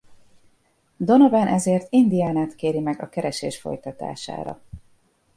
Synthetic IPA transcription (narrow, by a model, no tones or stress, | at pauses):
d̪o̞novɛnʔɛzeːrt̪ind̪iaːnaːt̪keːɾimɛɡɒkɛɾɛʃḛːʃfo̞̰jt̪ɒt̪a̰ːʃa̰ːɾɒ̰